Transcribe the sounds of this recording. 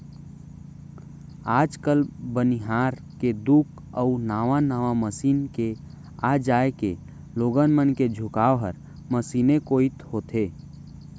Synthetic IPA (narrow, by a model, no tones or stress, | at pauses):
aːd͡ʒkəlbəniɦaːɾ | ked̪ukʰ | əunaːʋanaːʋaməsiːnke | ad͡ʒaːeke | loːɡənmənked͡ʒʱʊkaːʋɦəɾ | məsiːnekoːit̪hoːt̪ʰeː